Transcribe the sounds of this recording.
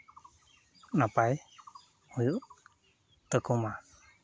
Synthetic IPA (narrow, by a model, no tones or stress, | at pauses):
napaj | hujuʔ | t̪əkuma